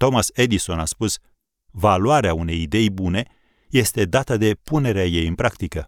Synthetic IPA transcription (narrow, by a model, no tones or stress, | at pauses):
t̪o̞mase̞d̪iso̞naspus | valuaɾeaune̞jid̪e̞jbune̞ | je̞st̪e̞d̪at̪əd̪e̞pune̞ɾeaje̞jɨnpɾakt̪ikə